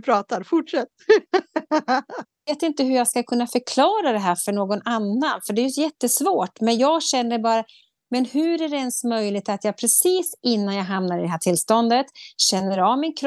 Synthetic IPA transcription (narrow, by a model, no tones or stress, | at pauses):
pʰɾɑːt̪aɾfʊʈʂɛt̪ː | veːt̪ɪnt̪əɦɵjɑːɡskakʰɵnːafœɾkʰlɑːɾad̪ɛɦæːɾfœɳoːɡɔnanːanfœɖɛjɵjɛt̪ːəsvoːʈmɛnjɑːɡɕɛnːəɾbɑːɾa | mɛnhɵɾæɾɛɛnsmœjlɪɡ̚t̪at̪jɑːɡ̚pʰɾɛsiːsɪnːanjaːɡɦamnaɾɪd̪ɛɦæːʈʰɪlːst̪ɔnd̪ət̪ɕɛnːəɾɑvmɪnkʰɾ